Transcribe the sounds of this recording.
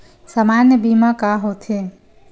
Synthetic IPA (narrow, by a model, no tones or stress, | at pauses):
samaːnjəbiːmãkaɦoːt̪ʰe